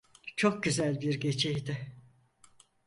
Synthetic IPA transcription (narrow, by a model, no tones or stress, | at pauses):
t͡ʃʰo̞k̚ɟyzælʲbiɾɟe̞t͡ʃʰejd̪ɪ